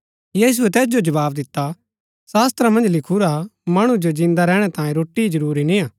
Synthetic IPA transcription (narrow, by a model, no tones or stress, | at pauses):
jiːs̬uɛt̪ɛːs̬d͡ʒod͡ʒɐβaːbd̪ɪt̪ːa | saːst̪ɾamɐ̃nd͡ʒlɪkʰuɾamɐɽ̃ũd͡ʒod͡ʒɪ̃nd̪aɾɛːɽ̃ɛt̪ãːjẽɾoːʈid͡ʒɐɾuːɾinĩaː